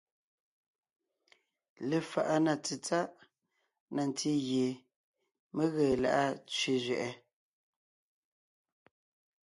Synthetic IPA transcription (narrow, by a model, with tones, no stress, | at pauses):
le˨fa˨ʔa˦na˨t͡si˨t͡sa˦ʔ | na˨n˨tʰi˦ɣje˨ | me˦ɣəː˨la̰˨ʔa˦t͡sɥe˦˨zɥɛ˨ʔɛ˦